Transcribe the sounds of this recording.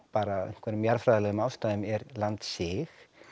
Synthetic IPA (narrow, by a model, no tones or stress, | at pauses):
paːɾaḛjŋ̥kvɛɾnʏmjaɾfɾajðɪlɛɣʏmawst̪aðʏmɛɾlant̪sɪx